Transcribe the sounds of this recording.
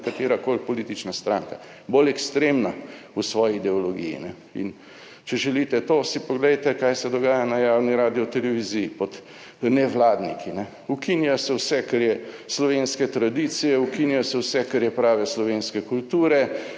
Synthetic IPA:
kat̪eːɾakolpɔliːt̪it͡ʃnast̪ɾaːŋka | bolɛkst̪ɾeːmna | usʋɔːjiːd̪ɛɔlɔɡḭːjḭnɛ | ḭn | t͡ʃɛʒɛlit̪ɛt̪osipɔɡlɛjt̪ɛkajsɛd̪ɔɡaːjanajaːwniɾaːd̪iɔt̪ɛlɛʋizijipɔt̪ | nɛʋlaːd̪nikʰinɛ | ukinjasɛwsɛkaɾjɛslɔʋeːnskɛt̪ɾad̪it̪sijɛukinjasɛwsɛkaɾjɛpɾaːʋɛslɔʋeːnskɛkult̪uːɾɛ

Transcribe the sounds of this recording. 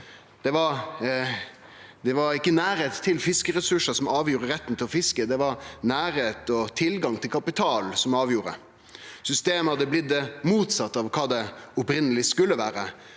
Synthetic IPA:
d̪̥ɛʋɑɾ | d̪ɛʋɑɾɪkːənæːɾheːt̪t̪ʰːɪlfɪskəɾɛsʉʂəsɔmʔɑːʋjuːɾəɾɛt̪ːən̩t̪ʰɪlɔfɪskəd̪ɛʋɑɾnæːɾheːt̪ɔt̪ʰɪlɡɑŋt̪ʰɪlkʰɑpɪt̪ʰɑːlsɔmɑːʋjuːɾə̰ | sʏst̪eːməhɑd̪ːəblɪd̪əmuːt̪sɑt̪ːɑʋkʰɑːd̪ɛɔpɾɪnəlɪskʉlːəʋæːɾə

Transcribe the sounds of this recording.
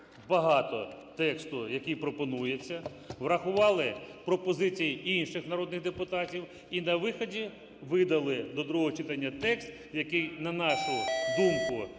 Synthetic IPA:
bɐɦɑt̪ɔ̰t̪ɛkst̪ʊjɐkijpɾɔpɔnujet͡sʲːɐ | ʋrɐxʊʋɑlˠɪpɾɔpɔzɪt͡sʲijinʃɪxnɐɾɔd̪nɪɣd̪epʊt̪ɑtʲiw | inɐʋɪxɔdʲi | ʋɪd̪ɐlˠɪd̪ɔd̪ɾuɦɔɦɔt͡ʃɪt̪ɐnʲːɐt̪ɛkst̪ | jɐkɪjnɐnɑʃʊd̪umkʊ

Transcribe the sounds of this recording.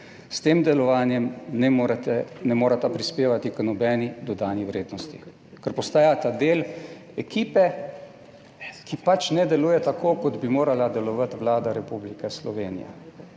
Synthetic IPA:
st̪eːmd̪ɛlɔʋaːnjɛmnɛɾt̪ɛnɛmoːɾat̪apɾispeːʋat̪iknɔbɛːnid̪ɔd̪aːniʋɾeːd̪nɔst̪i | kɛɾpɔst̪aːjat̪ad̪eːl | ɛkiːpɛ | kipat͡ʃnɛd̪ɛluːjɛt̪akʰoːkɔd̪bimoːɾalad̪ɛlɔʋat̪ʋlaːd̪aɾɛpublikɛslɔʋeːnḭja̰

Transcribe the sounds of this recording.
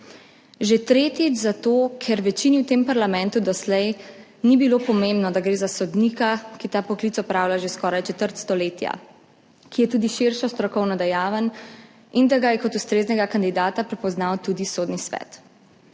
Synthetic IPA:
ʒet̪ɾeːt̪it͡ʃzat̪oːkʰɛɾʋɛt͡ʃiniwt̪empaɾlamɛ̃nt̪ud̪ɔslɛj | nibilopɔmembnɔd̪aɡɾeːzasɔd̪nikakit̪aːpɔklit̪ɔpɾaːwlaʒeskɔːɾajt͡ʃɛt̪əɾt̪st̪ɔleːt̪ja̰ | kijɛt̪uːd̪iʃiɾʃɔst̪ɾɔkɔwnɔd̪ɛjaːʋən | ind̪aɡajɛkɔt̪ust̪ɾeːznɛɡakand̪id̪aːt̪apɾɛpɔznawt̪uːd̪isoːd̪nisʋɛ̰t̪

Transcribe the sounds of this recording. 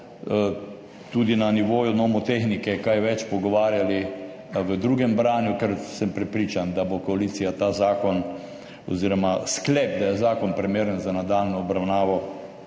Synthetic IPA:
t̪ud̪inaniʋoːjunɔmɔt̪exnikɛkajʋɛt͡ʃpɔɡɔʋaːɾjali | ʋəd̪ɾuːɡɛmbɾaːnjukɛɾsəmpɾɛpɾiːt͡ʃand̪abokɔalit̪sijat̪aːzaːkɔn | ɔ̰ziːɾɔmasklɛpd̪ajɛzaːkɔnpɾimeːɾənzanad̪aːlnɔːbɾawnaːʋɔ

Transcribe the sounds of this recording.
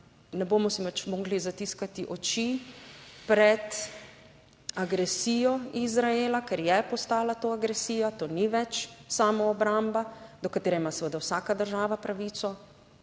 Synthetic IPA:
nɛboːmɔsimat͡ʃmɔːɡlizat̪iskat̪iʔɔt͡ʃi | pɾɛt̪ | aɡɾɛsiːjɔizɾaeːlakɛɾjɛpɔst̪aːlat̪oːaɡɾɛsiːjat̪oːniʋɛt͡ʃsaːmɔːbɾambad̪ɔkat̪eːɾɛimasɛʋəd̪awsakad̪əɾʒaːʋapɾaʋiːt̪sɔ

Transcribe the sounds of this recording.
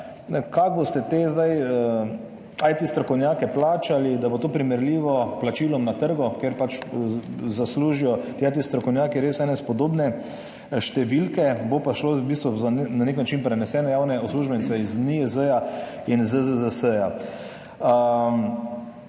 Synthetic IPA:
kaɡ̚bost̪ɛt̪eːzd̪ajə | ajt̪ist̪ɾɔkɔwnjaːkɛplaːt͡ʃalid̪abot̪oːpɾimɛɾliːʋɔplat͡ʃiːlɔmnat̪əɾɡɔkeɾpat͡ʃ | zasluːʒijɔt̪iːajt̪ist̪ɾɔkɔwnjaːkiɾeːsɛːnɛspɔd̪oːbnɛ | ʃt̪ɛʋilkɛbopaʃlobist̪ʋuananeknat͡ʃinpɾɛnɛsɛːnɛjaːwnɛɔsluːʒbɛnit̪sɛizniəzəjainzəzəzəsəja | ə

